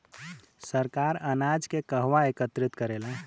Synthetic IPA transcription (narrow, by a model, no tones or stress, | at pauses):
səɾkaɾənad͡ʒkekəɦʋaekət̪ɾit̪kəɾela